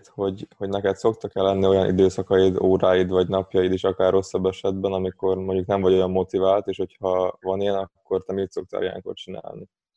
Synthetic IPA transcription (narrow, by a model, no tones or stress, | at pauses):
t̪ho̞ɟho̞ɟnɛkɛt̪so̞kt̪ɒkɛlːɛnːio̞jɒnʔḭd̪øːsɒkɒjid̪oːɾaːjid̪vɒɟnɒpjɒjiːd̪iʃɒkaːrːo̞sːɒbːɛʃɛd̪bɛnɒmiko̞rmoɲɟuknɛɱvɒɟo̞jɒmːo̞t̪ivaːlt̪eːʃho̞chɒvɒnijɛnɒkːo̞rt̪ɛmiːt̪so̞k̚t̪a̰ɾijɛ̰ŋko̰t̪t͡ʃina̰ːlni